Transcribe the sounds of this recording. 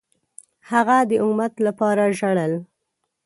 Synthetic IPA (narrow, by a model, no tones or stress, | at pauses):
haɣad̪əʔʊumat̪lapɑɾaʒaɽəl